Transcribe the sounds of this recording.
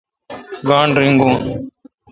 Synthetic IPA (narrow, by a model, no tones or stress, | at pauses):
ɡaːɳɖɾɪŋɡõːn